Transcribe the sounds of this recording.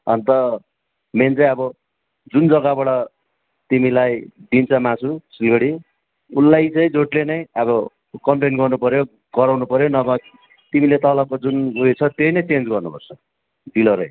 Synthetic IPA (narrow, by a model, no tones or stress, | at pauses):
ʌ̰nt̪ʌ | ment͡saĩʌbʌ | d͡zund͡zʌɡabʌɽʌ | t̪imilajd̪int͡sʰʌmasʰusilɡʌɽi | ulːajt͡sʌĩd͡zoʈlenʌj̃ʌbʌ | kʌmpenɡʌrnupʌɾjo | ɡ̥ʌɾawnupʌɾjonʌbʌ | t̪imilet̪ʌlʌkod͡zunuet͡sʰʌt̪jojnʌjt͡send͡zɡʌrnupʌrt͡sʰʌ | d̪ilʌɾʌj